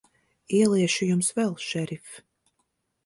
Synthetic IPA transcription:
iɛlˠiɛʃujumsvɛlˠʃɛɾif

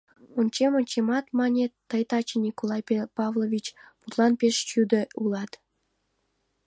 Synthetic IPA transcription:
unt͡ɕemonʲt͡ɕemɑt̪mɑnʲet̪əjt̪ɑt͡ɕenʲikolˠɑjpepɑvlˠovʲit͡ɕput̪lˠɑnpʲeʃt͡ɕyd̪ə̆ulˠɑt̪

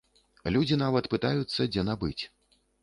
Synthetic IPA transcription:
lʲud͡zʲinavɐt̪pɨt̪ajut̪sːɐd͡zʲɛnabɨt͡sʲ

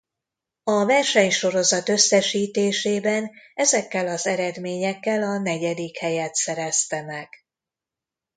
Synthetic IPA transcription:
ɒvɛrʃɛɲʃo̞ɾo̞zɒt̪ø̞sːɛʃiːt̪eːʃeːbɛnɛzɛkːɛlɒzɛɾɛd̪meːɲɛkːɛlɒnɛɟɛd̪ikhɛjɛt̪sɛɾɛst̪ɛmɛɡ̥

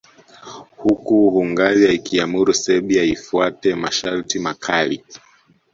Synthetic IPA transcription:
hukuhuŋɡazaikiamuɾusɛɓiaifuatɛmaʃaɾtimakʰali

